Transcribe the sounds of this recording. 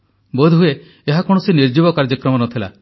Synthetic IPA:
bod̪ʱue | eɦakɔɽ̃ɔsiniɾd͡ʒibɔkaɾd͡ʒɔkɾɔmɔnɔt̪ʰila̰

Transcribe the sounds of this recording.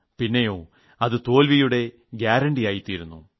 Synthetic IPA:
pinːe̞jo̞ː | ɐðɨt̪o̞ːlʋijuɽe̞ | ɡjaːɾɐɳɖijaːjit̪ːiːɾunːṵ

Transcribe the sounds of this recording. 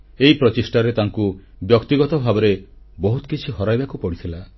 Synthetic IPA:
eipɾɔt͡ʃisʈaɾet̪aŋkubjɔkt̪iɡɔt̪ɔbʱabɔɾe | bɔɦut̪ɔ̥kit͡ʃʰiɦɔɾajbakupɔɽit̪ʰila

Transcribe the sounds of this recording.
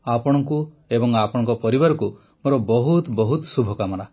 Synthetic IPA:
apɔɽ̃ɔŋku | ebɔŋapɔɽ̃ɔ̃ŋkɔpɔɾibaɾɔku | moɾɔbɔɦut̪bɔɦut̪subʱɔkamɔna

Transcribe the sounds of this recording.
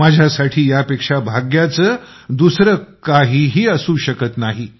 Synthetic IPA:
ad͡ʑʱjasaʈʰiːjapekʂabʱaɡjat͡səː | d̪usɾəkaɦiːɦiːəsuːɕəkət̪naɦi

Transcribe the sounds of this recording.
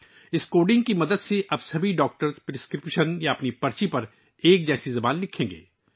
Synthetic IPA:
ɪskoːɖɪ̃ŋɡ̚kimɐd̪əd̪seʔɐbsɐbʱiɖɔːk̚ʈəɾspɾɪskɾɪpʃənjaɐpnipɐɾt͡ʃipɐɾ | eːk̚d͡ʒɛːsizɐbaːnlɪkʰẽːŋɡḛː

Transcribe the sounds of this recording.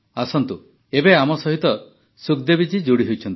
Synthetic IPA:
asɔnt̪u | ebeamɔsɔɦit̪ɔ | sukd̪ebid͡ʒid͡ʒoɽiɦojt͡ʃʰɔnt̪i

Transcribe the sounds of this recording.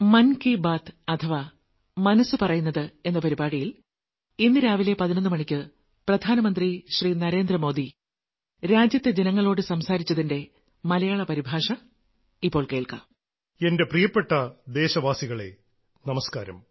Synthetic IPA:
mɐnkibaːt̪ʰɐt̪ʰɐʋa | mɐnɐsːɨpɐrɐjunːɐðɨe̞nːɐpɐɾibaːɽijil | inːɨɾaːʋile̞pɐðinɐnːɨmɐɳikʲːɨ | prɐd̪ʱaːnɐmɐnd̪riɕriːnɐɾeːnd̪rɐmo̞ːd̪i | ɾaːd͡ʑjɐt̪ːed͡ʑenɐŋːɐɭo̞ːɽɨsɐmsaːɾit͡ɕːɐðinde̞ | mɐlɐjaːɭɐpɐɾibʱaːʂɐ | ipːo̞ːɭkeːɭkɐ̰ | e̞nde̞prijɐpːeʈːɐd̪e̞ːɕɐʋaːsiɣɐɭe̞̰ | nɐmɐskaːɾɐ̰m

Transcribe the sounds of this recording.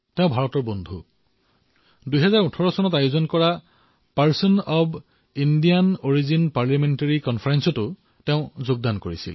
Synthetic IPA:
teʊ̃bʱaɹɔtɔɹbɔndʱu | dujɦɛzaɹutʰɔɹɔsɔnɔtajuzɔnkɔɹa | paɹsɔnɔb | indijanoɹizinpaɹljamentaɹikɔnpʰfʰaɹɛnsɔtʊ | teʊ̃zʊɡ̚dankoɹisḭl

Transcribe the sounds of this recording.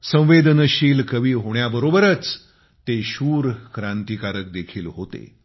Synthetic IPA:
sə̃w̃ʋed̪ʱənəɕiːlkəʋiːɦoɳjabəɾobəɾət͡s | t̪eɕuːɾkɾãnt̪ikaɾək̚d̪ekʰiːlɦot̪ḛ

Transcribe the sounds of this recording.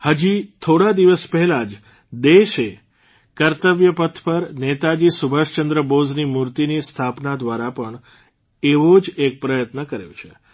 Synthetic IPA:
həd͡ʒit̪ʰoɽad̪iʋəspɛɦɛlad͡ʒ | d̪eʃe | kəɾt̪əʋjəpət̪ʰpəɾnet̪ad͡ʒisubʱəʃt͡ʃənd̪ɾəboznimuɾt̪inist̪ʰapnad̪ʋaɾapəɳ | eʋod͡ʒek̚pɾəjət̪nəkəɾejṵ̃t͡ʃʰe

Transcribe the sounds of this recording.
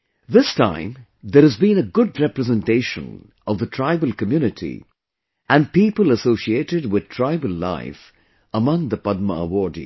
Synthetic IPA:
ðɪstã̰ɪ̃m | ðəɾhɨzbĩnəɡʊdɹɛpɾəzɛ̃nteɪʃə̰̃n | ʌvðətʰɹ̥aɪbəlˠkəmjuːnɨtʰḭ | ʔæ̃npiːpəlˠəsoʊsieɪtɪdwɪð̥̚tʰɹ̥aɪbəlˠla̰ɪf | əmʌ̃ŋðəpʌd̪̚məəwɔdḭ

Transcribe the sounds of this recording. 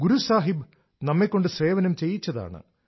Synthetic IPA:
ɡuɾusaːɦib | nɐmːekːo̞ɳɖɨsre̞ːʋɐnɐmt͡ɕe̞jːit͡ɕːɐða̰ːɳɨ̰

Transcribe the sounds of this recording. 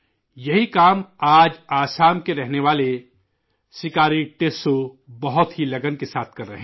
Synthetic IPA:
jɐɦikaːmaːd͡ʒaːsaːmkeɾɛɦneʋaːle | sɪkaːɾiʈeːso | bɐɦʊt̪ɦilɐɡənkesaːt̪ʰkɐɾːɐ̰ɦɛ̃

